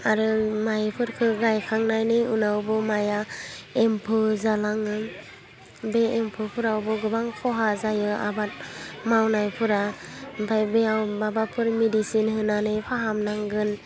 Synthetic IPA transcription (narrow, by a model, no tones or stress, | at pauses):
aɾɯmajpʰɯɾkʰɯɡajkʰaŋnajnɯunawbɯmajaempʰɯzalaŋɯ | beːmpʰɯpʰuɾawbɔɡɯbaŋpʰɔɦazajɯa̰bat̚mawnajpʰɯɾabajbeawbabapʰɯɾmedisinhɯnanɯjpʰaɦamnaŋɡɯn